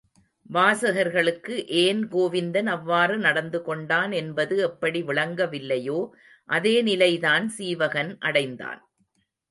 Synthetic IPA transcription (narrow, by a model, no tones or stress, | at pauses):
ʋaːsɐɣɐɾɣɐɭɯkːɯʔeːnɡoːʋɪnd̪ɐnɐʋːaːɾɯnɐɽɐnd̪ɯkɔɳɖaːnɛnbɐðɯɛpːɐɽiʋɪɭɐŋɡɐʋɪlːɐjoː | ʔɐðeːnɪlɐɪðaːnsiːʋɐɣɐnʔɐɽɐɪnd̪a̰ːn